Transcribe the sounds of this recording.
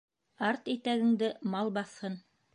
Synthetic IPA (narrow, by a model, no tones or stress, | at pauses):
ɑɾt̪it̪æɡɘ̆ŋd̪ɘmɑlˠbɑθhɤn